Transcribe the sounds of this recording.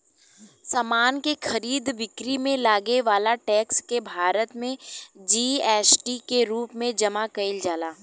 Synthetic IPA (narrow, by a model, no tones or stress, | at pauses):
saːmaːnkexɐɾiːd̪ʋɪkɾimẽlaːɡeʋaːlaʈɛːkskebʱaːɾət̪mẽd͡ʒiːɛːsʈikeɾuːpmẽd͡ʒɐmakɐɪld͡ʒaːlaː